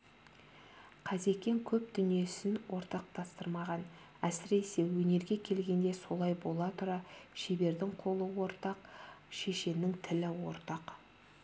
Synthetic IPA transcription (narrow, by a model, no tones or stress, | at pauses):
qʰɑze̞kʲːe̞ŋkʲʰɵp̚d̪ʏnije̞sɪnwʔo̞ɾt̪ɑq̚t̪ʰɑst̪əɾmɑʁɑn | æsɪɾe̞se̞wɵne̞ɾɡʲe̞kʲʰe̞lɡʲe̞nd̪e̞so̞lˠɑjbo̞lˠɑt̪ʰʊɾɑʃebe̞ɾd̪ɪŋqʰo̞lˠəwo̞ɾt̪ɑqʃe̞ʃe̞nɪŋt̪ʰɪlɪwo̞̰ɾt̪ɑq